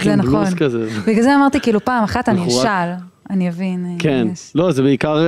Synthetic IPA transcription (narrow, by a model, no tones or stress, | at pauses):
zenaχlosnkazebiɡalzeamaʁt̪ikiːlupaːmaχat̪aniaʃal | animavinkenlo̞zebeikaʁ